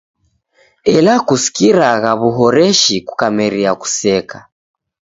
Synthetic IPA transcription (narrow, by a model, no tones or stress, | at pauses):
ɛlakusi̥kiɾaɣaβuɦɔɾɛʃiku̥kamɛɾiaku̥sɛka